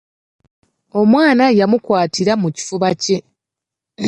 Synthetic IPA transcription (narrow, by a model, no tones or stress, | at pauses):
o̞mwaːnajamukwaːtiɾamuci̥fuβace̞